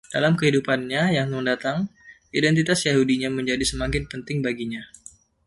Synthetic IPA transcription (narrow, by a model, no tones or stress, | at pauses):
d̥a̰lamkəɦidupanɲajaŋəŋdat̪aŋ | idɛnt̪it̪asjaɦudiɲaməɲd͡ʒadisəmaŋkɪnpənt̪ɪŋbaɡiɲa